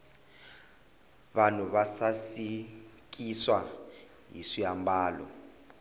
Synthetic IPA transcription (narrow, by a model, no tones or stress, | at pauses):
βanɔβasasi | k̬iswa | ɦḭsiambaːlɔ̰